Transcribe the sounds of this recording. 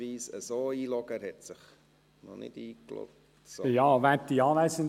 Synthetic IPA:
iːsəsoːiːlɔɡ̥əhɛtsɪχ | nɔnɪ̰diːklɔ̰k̚ | tsjɑːʋætiɑːlæsən

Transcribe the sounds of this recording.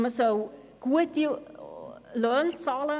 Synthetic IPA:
məsow | ɡ̥uət̚i | løːnt͡sɑːlə

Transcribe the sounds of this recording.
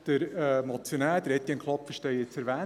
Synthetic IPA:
d̪̥əɾəmɔt͡sjonæːd̥̪əɾɛt̪ːiənkʰlˠɔpfəʃtɛjɪt͡sɛɾʋæː

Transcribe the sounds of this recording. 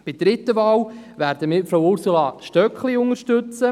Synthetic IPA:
b̥ɪdɾɪt̪ːəvɑːwʋæːɾdəmɪːɾfɾowʊɾsulɑːʃtœkχliʊŋəɾʃtɵt͡sə

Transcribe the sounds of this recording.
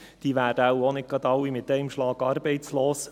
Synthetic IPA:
d̪̥iːʋæːɾd̥əɑwonɪk̚ɡ̥ɑd̪ɑwːimɪt̪ːɛɪmʃlɑːɡɑːɾbɛɪt͡sloːs

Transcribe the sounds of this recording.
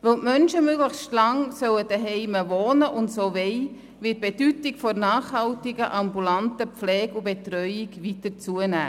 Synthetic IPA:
vɛltmœnʃəmøɡləχstlɑŋsœwəd̥əɦɛɪməvoːnəʔʊntsoːvɛɪ | vɪt̚b̥ed̥ytɪkfɔnɑːχhɑltɪɡəʔambulantəpflɛːɡʊbetrœʏɪɡʋitəɾt͡suənæ̰ː

